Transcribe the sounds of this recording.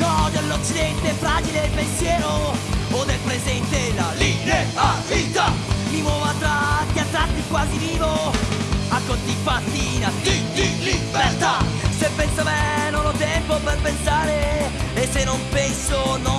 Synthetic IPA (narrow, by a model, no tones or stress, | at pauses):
kɔd̪olːot͡ʃːid̪ɛnt̪efːɾaːd͡ʒilelpensjɛːɾood̪elpɾezɛnt̪elalibeɾt̪aviːt̪amimwɔːvat̪ɾakjat̪ːat̪ikwaːziviːvo | akːot̪ːifat̪ːinad̪idilibert̪asepːɛnsamenonɔt̪ːɛmpoperpensaːɾeesːenːompɛnsono